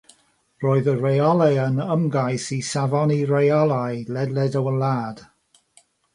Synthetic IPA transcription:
roːɨðəɹejɔlˠɛənəmɡajsisavɔniɹejɔlˠajlɛdlɛdəwənlaːd̥

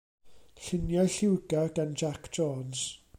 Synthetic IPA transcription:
ɬɪnjɔjɬɪwɡaɡ̥and͡ʒakʰd͡ʒɔːns

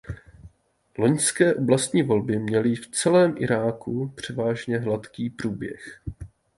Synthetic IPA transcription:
lo̞ɲskɛːʔo̞blast̪ɲiːvo̞lbɪmɲɛlɪft͡sɛlɛːmʔɪɾaːkʰupr̝̥ɛvaːʒɲɛɦlat̪kiːpruːbjɛ̰x

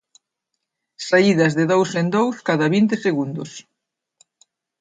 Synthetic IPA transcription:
saiðɐzðɪðowsend̪owskaðɐβint̪eseɣund̪ʊs

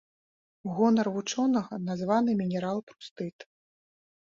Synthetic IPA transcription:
ɣɔnɐrvut͡ʂɔnɐɣɐnazvanɨmʲinʲɛɾalˠpɾu̥st̪ɨt̪

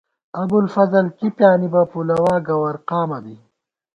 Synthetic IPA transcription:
ɐbulfɐzɐlkipjaːnibɐpulɐwaːɡɐwɐɾqaːmɐbi

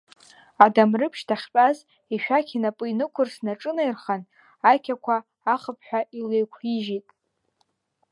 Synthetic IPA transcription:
adamrɨpʰʃtʰaχʲpʼaz | iʃᶣakʰʲinapʼɨinɨkʷʰʊrsnaʈ͡ʂʼɨnejrχan | akʲʰakʷʰaː | χəpʰħʷᶣaʔilejkʷʰiʒitʼ

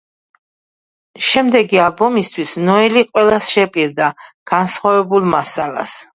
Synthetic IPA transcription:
ʃɛmd̪ɛɡialˠbɔmist̪ʰwisnɔɛliqʼwɛlˠasʃɛpʼiɾd̪aɡ̥ansχwavɛbulˠmasalˠa̰s

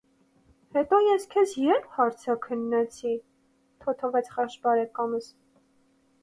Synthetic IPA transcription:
hɛt̪ɔjɛskʰɛsjɛɾhɑɾt͡sʰɑkʰənːɛt͡sʰi | t̪ʰɔt̪ʰɔvɛt͡sχɑʃbɑɾɛkɑməs

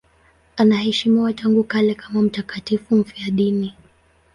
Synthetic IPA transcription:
anahɛʃimiwataŋɡukalɛkamam̩takatifum̩fiaɗini

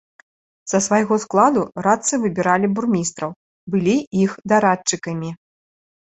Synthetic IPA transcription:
z̥ɐsvajɣɔsklˠad̪uɾat̪sɨvɨbʲiɾalʲiburmʲist̪ɾɐw | bɨlʲiixd̪aɾat͡ʂːɨkɐmʲi

